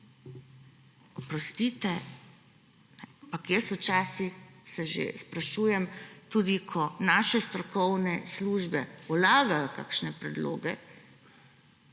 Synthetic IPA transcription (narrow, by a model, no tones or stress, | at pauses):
ɔpɾɔst̪it̪ɛ | nɛapakjəswt͡ʃaːsixsɛʒḛspɾaʃuːjɛmt̪uːd̪ikʰɔnaːʃɛst̪ɾɔkɔwnɛsluʒbɛulaːɡajɔka̰ːkʃnɛpɾɛd̪lo̰ːɡɛ